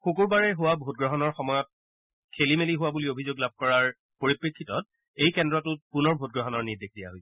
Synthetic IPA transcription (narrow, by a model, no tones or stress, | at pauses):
xuk̬uɹbaɹɛɦʊwabʱotɡɹɔɦɔnɔɹxɔmɔjɔt̚ | kʰelimeliɦʊwabuliobʱizʊɡlab̚kɔɹaɹ | poɹipɹekʰːitɔt̚ | ejkɛndɹɔtʊt̚punɔɹbʱot̚ɡɹɔɦɔnɔɹnidek̚dija̰ɦoj